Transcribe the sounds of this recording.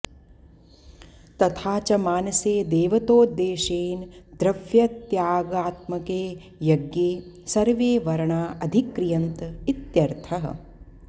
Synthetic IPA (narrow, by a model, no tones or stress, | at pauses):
t̪ɐt̪ʰaːt͡ʃɐmaːnɐseːd̪eːʋɐt̪oːd̪eːʃeːnd̪ɾɐʋjɐt̪jaːɡaːt̪mɐkeː | jɐɡjeː | sɐɾʋeːʋɐɾɐɳaːʔɐd̪ʱikɾijɐnt̪it̪jɐɾt̪ʰɐɦɐ̰